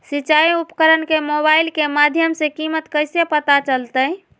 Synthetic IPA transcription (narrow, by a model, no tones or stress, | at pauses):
sit͡ʃaiupkəɾənkemoβailkemad̪ʱjəmsẽkimət̪kəjsepət̪at͡ʃəlt̪əj